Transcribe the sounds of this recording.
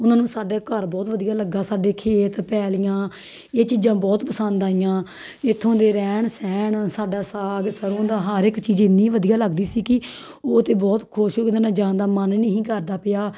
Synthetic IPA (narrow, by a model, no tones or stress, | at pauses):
ʊnaːnũːsaːɖaːkəɾbɔːt̪ʋəd̪ijaːləɡaːsaːɖeːkʰeːt̪pɛːlɪjãː | eːt͡ʃiːd͡ʒãːbɔːt̪pəsə̃nd̪aːijãː | ɪt̪ʰːõːd̪eːɾɛːɳsɛːɳsaːɖaːsaːɡsəɾõːd̪aːɦəɾɪkt͡ʃiːd͡ʒɪnːiːʋəd̪ijaːləɡd̪iːsiːkɪ | oːt̪eːbɔːt̪kʰʊʃoːkɪd̪ːnãːd͡ʒãːnd̪aːmənnəɦĩːkəɾd̪aːpɪjaː